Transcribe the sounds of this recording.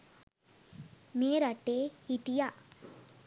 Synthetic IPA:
meːɾɐʈehit̪ija

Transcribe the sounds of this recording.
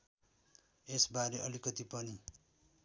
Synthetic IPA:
esbaɾeʔʌlikʌt̪ipʌni

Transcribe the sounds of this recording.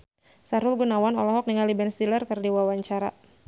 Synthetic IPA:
saɾʊlɡunawanɔlɔɦɔk̚niŋalibɛnst̪ilərkɨrdiwawaɲt͡ʃaɾa̰

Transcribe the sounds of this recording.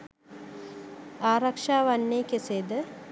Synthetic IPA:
aːɾakʂaːʋanːeːkeseːd̪ə

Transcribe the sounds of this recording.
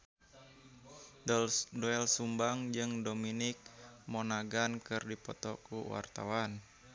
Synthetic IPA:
dɔɛlsumbaŋd͡ʒɨŋdominɪk̚monaɡankɨrdipɔ̰t̪ɔkṵwa̰rt̪a̰wan

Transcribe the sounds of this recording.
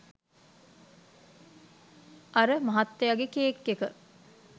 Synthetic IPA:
aɾəmɐɦat̪ːejaɡekeːkːekə

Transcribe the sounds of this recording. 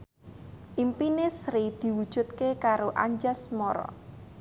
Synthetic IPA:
ʔimpinesɾid̪̥i̤wud̥ʒ̥ṳt̪̚kekaɾoʔaɲd͡ʒasmɔɾɔ̰

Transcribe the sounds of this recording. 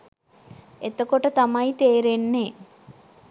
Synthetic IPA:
et̪əkoʈət̪amɐjt̪eːɾenːe

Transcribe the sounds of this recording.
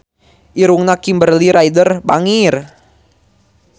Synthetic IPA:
ʔiɾuŋnakimbərliɾajdərbaŋir

